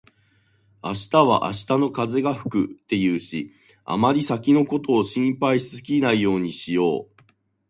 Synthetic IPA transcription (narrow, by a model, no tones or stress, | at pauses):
aɕi̥t̪aβ̞a̰ʔa̰ɕi̥t̪ano̞kaze̞ɡaɸɯ̟̥kɯ̟̰t̪ːe̞jɯ̟ːɕi | a̰maɾʲisakʲino̞ko̞t̪o̞ːɕĩmpaisɨkʲinaijo̞ːɲ̟iɕijo̞ː